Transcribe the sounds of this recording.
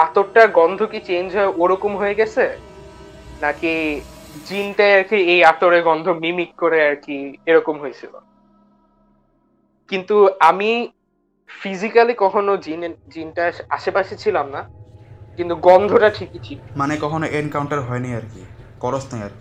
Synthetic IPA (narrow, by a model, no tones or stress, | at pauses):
at̪oɾʈaɡɔnd̪ʱokit͡ɕend͡ʑʱɦɔeʔoɾɔkomɦojeɡɛt͡ɕʰe | naki | d͡ʑinʈaaɾkiejat̪oɾeɡɔnd̪ʱomimikːoɾeaɾkieɾɔkomɦojet͡ɕʰilo̰ | kint̪uami | fizikalikɔkʰonod͡ʑind͡ʑinʈaa̰ʃepaʃit͡ɕʰilamnakint̪uɡɔnd̪ʱoʈaʈʰikitʰimanekɔkʰonoʔenkawɳʈaɾɦɔenijaɾkḭkɔɾosnajaɾki